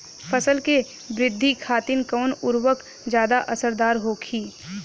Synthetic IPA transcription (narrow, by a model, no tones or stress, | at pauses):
pʰəsəlke | bɾɪd̪ʱːikʰaːt̪inkɔːnʊɾwək | d͡ʒjaːd̪aʔɐsəɾd̪aːɾɦoːkʰiː